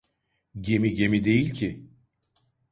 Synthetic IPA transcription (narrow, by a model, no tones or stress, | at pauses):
ɟe̞miɟe̞mid̪e̞jilʲcʰi